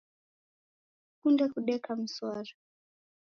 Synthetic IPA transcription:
kundɛkuɗɛkam̩swaɾa

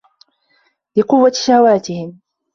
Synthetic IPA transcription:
lɪqʊwːaʃahwaːt̪ɪhɪm

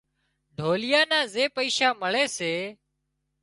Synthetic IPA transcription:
ɖʱoːlɪjaːnãːzeːpəiːʃaːməɭeːseː

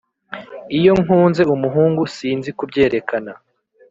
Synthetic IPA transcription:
ijo̞ŋuːnze̞umuɦuːŋɡusiːnzikubɟe̞ːɾe̞kana

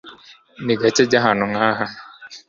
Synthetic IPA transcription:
niɡat͡ʃed͡ʒaɦanʊŋaɦa

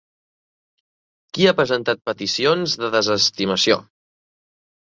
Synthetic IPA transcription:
kiapɾəzənt̪at̪̚pət̪isionzðəðəzəst̪iməsio̰

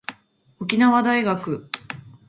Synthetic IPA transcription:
okʲinaβad̪aiɡakɯ̟

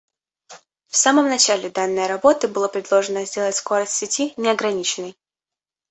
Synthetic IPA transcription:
fsaməmnɐt͡ɕalʲɪd̪anːɨjəɾɐbo̞t̪ɨbɨlˠapɾʲɪd̪lˠo̞ʐɨnəzʲdʲe̞lˠətʲsko̞ɾəsʲtʲsʲɪtʲinʲɪɐɡɾɐnʲit͡ɕɪnːɨj

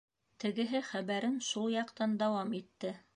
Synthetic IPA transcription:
t̪ɘ̆ɡɘ̆ɦɘχæβæɾɘnʃulˠjɑqt̪ɑnd̪ɑwɑmit̪ːɘ

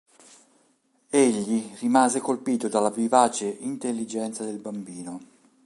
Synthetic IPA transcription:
eʎːirimaːzekolpiːt̪od̪alːavivaːt͡ʃeint̪elːid͡ʒɛnt̪sad̪elbambiːno

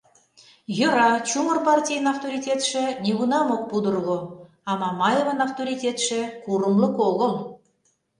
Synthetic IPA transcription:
jɤ̆ɾɑt͡ɕumə̆rpɑrʲtʲijənɑft̪oɾʲitʲet̪ʃĕnʲiɡunɑmok̚pud̪ɤ̆rɣo | ɑmɑmɑjevənɑft̪oɾʲitʲet̪ʃĕkuɾə̆mlə̆koɣɤ̆m

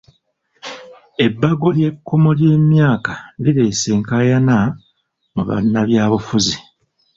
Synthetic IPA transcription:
e̞bːaɡo̞lje̞kʰːomolje̞ːmjaːkaliɾe̞ːse̞ːŋkajana | muβa̰nːaβjaːβufuzi

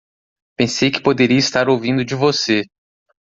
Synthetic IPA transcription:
pẽsejkɪ̥pod̪eɾiɐist̪aɾowvĩnd̪ʊd͡ʒɪvose

